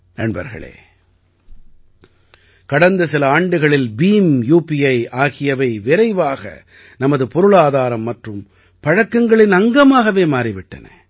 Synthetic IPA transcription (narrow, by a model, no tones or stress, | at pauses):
nɐ̰ɳbɐ̰ɾɣɐ̰ɭḛː | kɐɽɐnd̪ɐsɪlɐaːɳɖɯɣɐɭɪlbiːmjuːpiɐɪaːɣɪjɐʋɐɪʋɪɾɐɪʋaːɣɐ̰ | nɐmɐðɯpɔɾɯɭaːðaːɾɐmːɐʈrɯm | pɐɻɐkːɐŋɡɐɭɪnɐŋɡɐmaːɣɐʋeːmaːɾɪʋɪʈːɐ̰nɐ̰